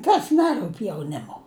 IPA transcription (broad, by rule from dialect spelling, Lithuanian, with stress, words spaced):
ˈkɐs ˈnʲæːrʊpʲ jɛʊˈnʲɪmʊ